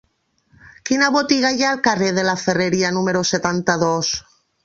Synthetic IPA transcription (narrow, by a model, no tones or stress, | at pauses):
kinaβot̪iɣaʝaːlkareðelafereɾianũmeɾoset̪ant̪aðos